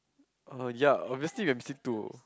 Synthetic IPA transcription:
ojaɔbviəsliwãmbisĩtu

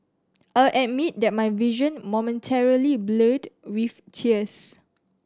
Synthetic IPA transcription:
ʔalʔɛt̚mit̚dɛt̚majviʒə̃nmɔmə̃ntʰɛɹiliblədwif | tʰiəs

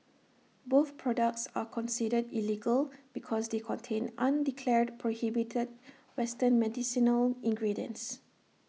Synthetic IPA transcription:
boθpʰɹɔdək̚tsakʰɔ̃nsidədiliɡəlb̥ikʰɔsdekʰɔ̃ntʰẽnãndikʰlɛɹd̚pʰɹohibitʰəd̚ | wɛstənmɛdisinəlĩŋɡɹidiə̰̃ns

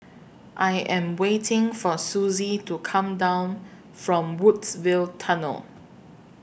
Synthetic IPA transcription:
ʔaɪjʔɛ̃mwetʰɪ̃ŋfɔsuzitukʰãmdãʊ̃n | fɹɔ̃mwudsvɪltʰanə̰l

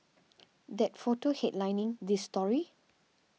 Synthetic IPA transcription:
dɛt̚fotohɛtlãjnĩŋdisːtɔɹi

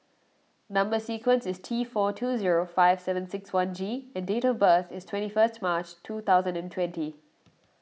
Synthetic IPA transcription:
nʌ̃mbəsiːkwə̃nsɪstʰiːfɔːtʰuːziɹofaɪv̥sɛvə̃nsɪkswãnd͡ʒiɛ̃ndeːtɔvbəːt̪ɪstʰwɛ̃ntifəstmaːt͡ʃtʰuːt̪ʰaʊzə̃ndɛ̃ntʰwɛ̃nti

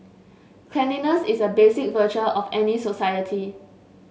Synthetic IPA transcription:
kʰlɛninəsisəbesɪk̚vət͡ʃəʔɔfɛnisosajətʰi

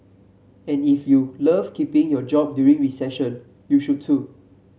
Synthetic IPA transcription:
ɛ̃nifjuləvkipĩŋjɔd͡ʒɔp̚djuɹĩŋɹisɛʃə̃n | juʃud̚tːu

